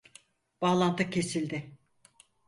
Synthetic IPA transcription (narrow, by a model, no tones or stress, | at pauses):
b̥aːlˠant̪ʰɯcʰe̞silʲd̪ɪ